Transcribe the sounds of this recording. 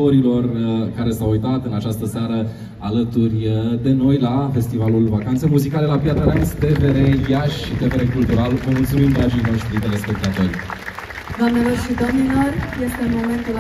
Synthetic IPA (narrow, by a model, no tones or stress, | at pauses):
o̞ɾilo̞rkaɾe̞sawujt̪at̪ɨnat͡ʃast̪əsaɾə | alət̪urʲd̪e̞no̞jlafe̞st̪ivalulvakant̪sejmuzikalelapjat̪ɾəɾanst̪e̞ve̞ɾejaʃʲʃːit̪e̞ve̞ɾekult̪uɾalvəmult̪sumimd̪ɾad͡ʒijno̞ʃt̪ɾit̪eɾespek̚t̪eape̞l | d̪oamnelo̞rʃid̪omnilo̞rje̞st̪eunmo̞me̞nt̪ul